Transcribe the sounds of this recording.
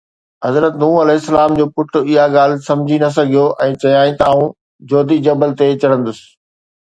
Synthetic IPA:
ɦɐzɾət̪nuːɐlɛːɦɪsːɐlaːmd͡ʑoːpʊʈʊɪɦaɡaːl̤ɪ̆sɐ̃md͡ʑʱinɐs̬ɐɡʱijoʔɛ̃ːt͡ɕɐjaːĩt̪ɐaːũ | d͡ʑoːd̪id͡ʑɐbəlt̪et͡ɕɐɽə̃nd̪ʊsɪ̥̆

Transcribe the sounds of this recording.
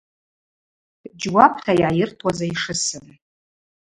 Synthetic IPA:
d͡ʒwapʰtʰajajɪrtʰʼwazaiʂɨsɨn

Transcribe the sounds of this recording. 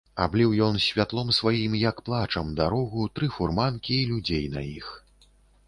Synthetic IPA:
a̰blʲiwjɔnsʲvʲat̪lˠɔmsvajimjɐkplˠat͡ʂɐmd̪aɾɔɣut̪ɾɨfurmankʲilʲud͡zʲejnɐ̰jix

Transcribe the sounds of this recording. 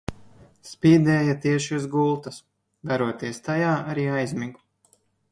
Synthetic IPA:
spʲiːd̪ɛːjat̪iɛʃiuzɡulˠt̪ɐs | d̪aɾuɔt̪iɛst̪ajaːaɾiːajzmʲiɡu̥

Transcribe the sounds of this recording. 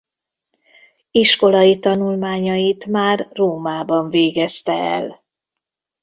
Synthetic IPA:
iʃko̞lɒjit̪ɒnulmaːɲɒjit̪maːrːoːmaːbɒɱveːɡɛst̪ɛɛ̰l

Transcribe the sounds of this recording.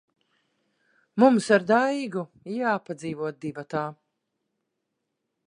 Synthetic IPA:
mumsaɾd̪ajɡu | jaːpad̪ziːvuɔt̪̚d̪ivat̪aː

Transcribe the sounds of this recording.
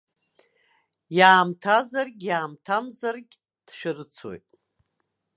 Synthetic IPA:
jaːmtʰazarɡʲjaːmtʰamzarɡʲ | d̥ʃᶣɪrɨt͡sʰwo̰jtʼ

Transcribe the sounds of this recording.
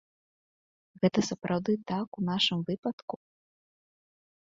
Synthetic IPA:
ɣɛt̪ɐsɐpɾʔawd̪ɨt̪akunaʂɨmvɨpɐt̪ku

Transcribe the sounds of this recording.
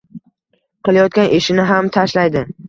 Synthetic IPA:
qɨlˠajɒt̪̚kʲanʔeʃɪnɪɦamt̪ʰaʃlajd̪ɪ

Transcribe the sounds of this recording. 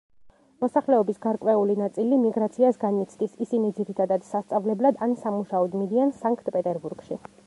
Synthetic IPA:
mɔsaχlɛɔbisɡaɾkʼwɛulinat̪sʼilimiɡɾat̪sʰiasɡanit̪sʰd̪isisinid̪ziɾit̪ʰad̪ad̪̥sast̪sʼavlɛblad̪ansamuʃaɔd̪mid̪iansaŋkʰt̪ʼpʼɛt̪ʼɛɾbuɾɡ̥ʃi

